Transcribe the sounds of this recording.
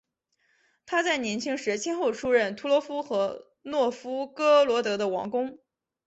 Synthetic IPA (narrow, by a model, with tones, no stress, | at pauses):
t̪ʰa˥t͡sa˥˩ɪnjɛ˧˥nt͡ɕʰi˥ŋʂɻ̩˧˥t͡ɕʰɛ˥nxo˥˩ʊʈ͡ʂʰu˥ɻə˥˩nt̪ʰu˧˥lwɔ˧˥fu˥xɤ˧˥ | nwɔ˥˩fu˥kɤ˥lwɔ˧˥t̪ɤ˧˥d̪ə˧wɑ̰˧˥ŋkʊ˥ŋ